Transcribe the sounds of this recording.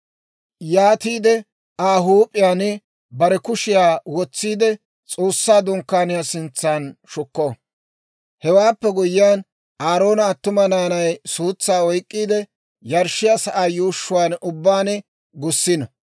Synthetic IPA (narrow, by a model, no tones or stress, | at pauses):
jaːt̪iːd̪ɛ | aːɦuːpʼːɪjaːn | bɐɾɛkʊʃɪjaːwɔt͡sːiːd̪ɛ | t͡sʼoːsːaːd̪ʊŋkːaːnɪjaːsɪnt͡sːaːnʃʊkːɔ | hɛwaːpːɛɡʊjɪjaːn | ʔaːɾo̞ːnɐːt̪ːʊmɐnaːnɐjsuːt͡sːaːɔjkʼːiːd̪ɛ | jɐɾʃːɪjasɐʔaːjuːʃːʊwaːnʊbːaːnɪ | ɡʊsːɪnɐ